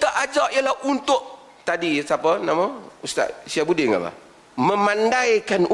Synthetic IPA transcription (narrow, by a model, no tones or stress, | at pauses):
t̪aʔad͡ʒaʔjalahunt̪ʊʔ | t̪adisapənamaust̪a̰ʔsiabudɪŋa̰la̰ | mə̃mandajkan